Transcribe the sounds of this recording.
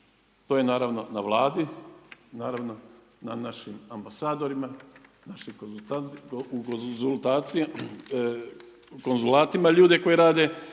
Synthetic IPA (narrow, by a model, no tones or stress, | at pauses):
t̪ojenaːɾaʋno̞naʋlˠaːd̪inaːɾaʋno̞ | nanaʃimambasaːd̪o̞ɾima | naʃikoaukozulˠt̪aːt̪sije | ko̞nzulaːt̪imaʎuːd̪e̞ko̞jeɾaːd̪e̞